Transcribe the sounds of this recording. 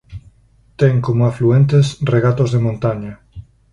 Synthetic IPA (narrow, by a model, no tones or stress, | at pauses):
t̪ɛŋkomoafluent̪esreɣat̪ozðemõnt̪aɲa